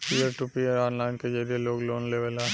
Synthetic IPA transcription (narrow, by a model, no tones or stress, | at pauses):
piəɾʈupijəɾaːnlaːnked͡ʒɐɾieloːɡloːnleʋəlã